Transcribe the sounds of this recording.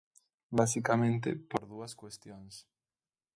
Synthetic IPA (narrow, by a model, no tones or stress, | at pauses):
basikamẽnt̪ɪ̰poɾðuɐskwest̪joŋs